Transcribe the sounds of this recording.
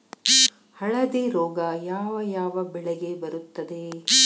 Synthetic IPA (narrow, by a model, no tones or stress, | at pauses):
hɐɭɐd̪eɾɔːɡɐjaːʋɐjaːʋɐbɛɭeɡebɐɾut̪ːɐd̪e